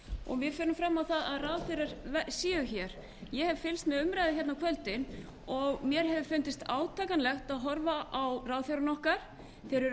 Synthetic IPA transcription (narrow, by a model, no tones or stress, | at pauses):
ɔ̰ɣvɪðfʏːɾʏmfɾamːawθaðaðraːwθeɾaɾ̥vɛsiːʏçɛɾ̥ | jɛhɛvfɪlst̪mɛðʏmɾajðɪçɛt̪nawkʰvœlt̪ɪn | ɔɣmjɛɾ̥hɛvʏfʏnt̪ɪst̪aːwt̪ʰaːjkanlɛxt̪aðɦɔɾvaʔawraːwθeɾanɔhkaɾ̥ | θɛːɾɪɾ